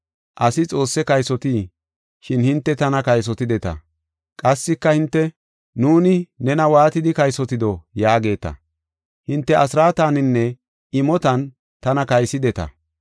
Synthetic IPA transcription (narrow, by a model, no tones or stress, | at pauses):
ʔɐsɪt͡sʼo̞ːsːɛkɐjsɔt̪iː | ʃɪnhɪnt̪ːɛt̪ɐnɐkɐjs̬ɔt̪ɪd̪ɛt̪ɐ̰ | kʼɐsːɪkːɐhɪnt̪ːɛ | nuːnɪnɛnɐwaːt̪ɪd̪ɪkɐjsɔt̪ɪd̪ɔjaːɡe̞ːt̪ɐ̰ | hɪnt̪ːɛʔɐsɾaːt̪aːnɪnːɛ | ɪmɔt̪ɐn | t̪ɐnɐkɐjsɪd̪ɛt̪ɐ̰